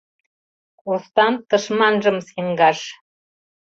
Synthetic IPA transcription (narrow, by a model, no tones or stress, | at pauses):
kust̪ɑnt̪ɤ̆ʃmɑnʒɤ̆msiŋɡɑʃ